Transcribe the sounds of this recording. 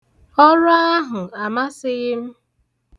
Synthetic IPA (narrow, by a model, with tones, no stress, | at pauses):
ɔ˦ɾa˦a˦ɦʊ˨a˨ma˦sɪ˦ɣɪ˦m̩˦